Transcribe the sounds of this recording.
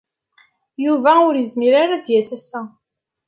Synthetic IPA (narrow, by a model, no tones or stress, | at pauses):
juvæʊɾjəzniɾaɾad̪jæsæsæ